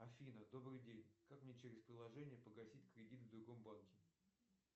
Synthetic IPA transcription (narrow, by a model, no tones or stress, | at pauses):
ɐfʲinəd̪o̞bɾɨjdʲenʲkakmnʲet͡ɕeɾʲɪspɾʲɪlˠɐʐɛnʲɪjəpəɡɐsʲitʲkɾʲɪdʲit̪vd̪ɾʊɡo̞mbankʲɪ